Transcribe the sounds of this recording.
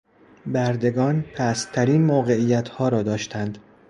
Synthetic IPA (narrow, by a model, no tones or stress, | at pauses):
bæɾd̪e̞ɡɒːnpʰæst̪ʰæɾiːnmoːɣe̞ijæt̪ʰhɒːɾɒːd̪ɒːʃt̪ʰænd̪